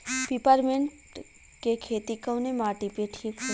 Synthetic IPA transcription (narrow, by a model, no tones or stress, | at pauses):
pipəɾmeɳʈ | kekʰeːt̪ikə̃wnemaːʈipeʈʰikʰː